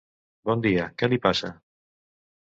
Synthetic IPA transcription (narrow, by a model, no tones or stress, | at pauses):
bɔnd̪iakelipasa̰